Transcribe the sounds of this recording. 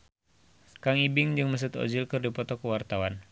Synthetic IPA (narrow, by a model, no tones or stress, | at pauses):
kaŋibɪŋd͡ʒɨŋməs̬ət̪ɔ̰d͡ʒilkɨrdipɔt̪ɔkəwart̪awan